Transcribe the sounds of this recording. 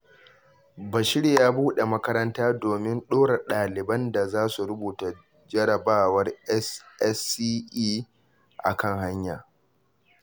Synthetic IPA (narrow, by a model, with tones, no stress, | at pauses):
bɐ˨ʃɪ˦ɽe˨jaː˦buː˦ɗe˨mɐ˦kɐ˦ɾɐ˦ntaː˦doː˨mɪ˦nɗoː˦ɽe˨ɗaː˨lɪ˨bɐ˦nda˨zaː˦su˨ɾʊ˦buː˨ta˨ | d͡ʒɐ˦ɽɐ˨baː˦wɐ˦rɛ˦sʔɛ˦si˦ʔiː˦ | ʔa̰˨kɐ˦ŋɦa˦ɲja̰ː˨